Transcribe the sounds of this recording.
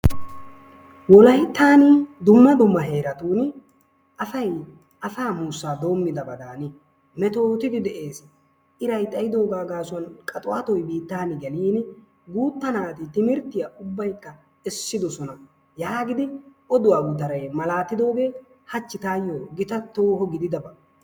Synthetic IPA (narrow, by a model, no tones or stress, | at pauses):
wɔlɐjt̪ːaːnɪd̪ʊmːɐd̪ʊmːɐɦe̞ːɾɐt̪uːn | ɐfɐj | ɐfaːmuːsːaːd̪o̞ːmːɪd̪ɐbɐd̪aːnɪ | mɛt̪o̞ːt̪ɪd̪ɪd̪ɛʔe̞ːs | ʔɪɾɐjt̪ʼɐjɪd̪o̞ːɡaːɡaːsʊɐnkʼɐt̪ʼʊwat̪ɔjbiːt̪ːaːnɪɡɛliːn | ɡuːt̪ːɐnaːt̪ɪt̪ɪmɪɾt̪ːɪjɐʔʊbːɐjkːɐ | ɛsːɪd̪ɔsɔnɐ | jaːɡɪd̪ɪʔɔd̪ʊwaːɡʊt̪ɐɾɐjmɐlaːt̪ːɪd̪o̞ːɡeː | hɐt͡ʃːɪt̪aːjːoɡɪt̪ɐt̪ːoːhɔɡɪd̪ɪd̪ɐbɐ